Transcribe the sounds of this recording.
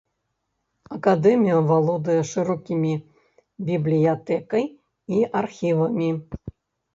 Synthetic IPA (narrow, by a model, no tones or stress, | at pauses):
ɐkad̪ɛmʲijɐvalˠɔd̪ɨjɛʂɨɾɔkʲimʲi | bʲiblʲijat̪ɛkɐj | iarxʲivɐmʲi